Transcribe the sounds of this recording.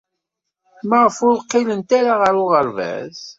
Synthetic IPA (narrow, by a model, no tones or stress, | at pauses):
məʁəfʊðqːilənt̪aɾaʁəɾʊʁəɾvæ̰z